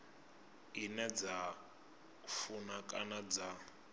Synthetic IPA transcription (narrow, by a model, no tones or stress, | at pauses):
inɛd͡za | funakʼanad͡za